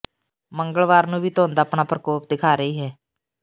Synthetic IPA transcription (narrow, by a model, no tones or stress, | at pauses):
məŋɡəlʋaːɾnũːʋiːt̪oːnd̪aːpnaːpɾəkoːp̚d̪ɪkʰaːɾəiːɦɛː